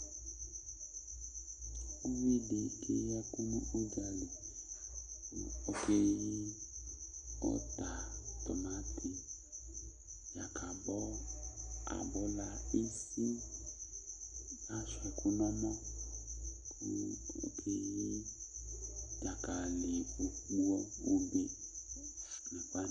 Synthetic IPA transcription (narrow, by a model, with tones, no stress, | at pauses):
u˦wi˦de˨kʰḛ˦jɛ˦ku˦nũ˦ʔo˦d͡ʒa˨le˨ | kṵ˦o˦ke˦ji˦ | ɔ̰˦t̪a˨t̪ɔ̰˨mã˨˦tʰi˨ | ja˨kʰa˨bɔ˦ | a̰˨bɔ˦la˦e˦si˦ | a˦ʃɛ˨ku˦nɔ̃˦mɔ̃˦ | ku˦o̰˦kʰe˦ji˦ | ja˨ka˨le˨o˨k͡pu˦ɔ˦o˦be˨ | nɛ̃˨k͡pa˦